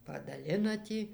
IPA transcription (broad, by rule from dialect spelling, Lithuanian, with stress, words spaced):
pɐdɐˈlʲɪnɐ ˈtʲiː